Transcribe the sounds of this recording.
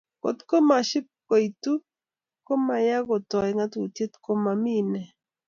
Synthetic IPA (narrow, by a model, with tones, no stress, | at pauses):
ko̰˨t̪ko˦ma˨ʃɪ˦p̚ko˨i˨tu˦ | ko˦ma˨ja˦ɡo˨tɔ˨ɛ˨ŋa˦to˨tje˦t̪ko˦ma˨mi˦nɛ˨